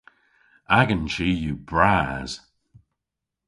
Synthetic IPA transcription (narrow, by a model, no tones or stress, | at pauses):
aɡənt͡ʃijubɹaːz̥